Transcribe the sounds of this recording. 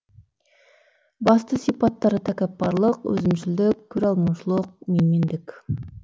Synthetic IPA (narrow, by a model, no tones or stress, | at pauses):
bɑst̪əsijpɑt̪ːɑɾət̪ʰækʲæp̚pɑɾlˠəqwɵ̰zɪmʃɪld̪ɪkʲʰːɵɾɑlˠmɑʃəlˠəq̚memend̪ɪkʲ